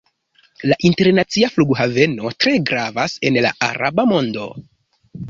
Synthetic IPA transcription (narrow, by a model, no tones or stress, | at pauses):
laʔinte̞ɾnat͡siafluɡɦave̞no̞tɾe̞ɡɾavase̞nla̰a̰ɾʔa̰bamo̞ndo̞̰